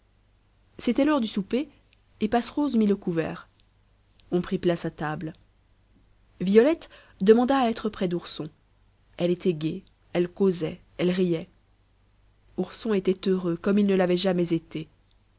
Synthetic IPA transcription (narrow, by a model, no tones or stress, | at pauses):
set̪ɛlɔʁd̪ysupeː | pasʁozmiləkuvɛ̰ːʁ | ɔ̃pχiplasat̪abl | vijɔlɛt̪ | d̪əmɑ̃d̪aːɛt̪χəpχɛd̪uʁsɔ̃ | ɛlet̪ʰɛɡʲe | ɛlkozɛ | ɛlʁijɛ | uʁsɔ̃et̪ɛt̪øʁøkɔmilnəlavɛʒamɛzet̪e